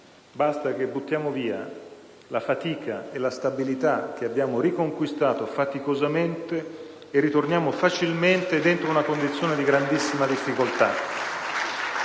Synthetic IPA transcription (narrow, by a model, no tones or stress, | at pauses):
bast̪ak̟ebːut̪ːjaːmoviːa̰ | lafat̪iːkʰaelast̪abilit̪ak̟ːeabːjaːmoɾikoŋkwist̪aːt̪ofat̪ikozament̪eː | rːit̪ornjaːmofat͡ʃilment̪ed̪ent̪ɾounakond̪it̪sːjoːned̪iɡɾand̪isːimad̪ifːikolt̪a